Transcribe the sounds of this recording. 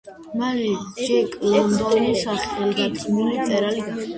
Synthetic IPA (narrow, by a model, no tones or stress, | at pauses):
malid͡ʒɛkʼlɔnd̪ɔnisaχɛlɡ̪at̪ʼɡnilit̪sʼɛɾaliɡa